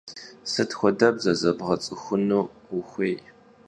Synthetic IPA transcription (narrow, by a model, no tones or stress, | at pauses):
sɨtxʷɔdɐbzɐzɐbʁɐt͡sʼɨxʷʊnuːʊxʷeːj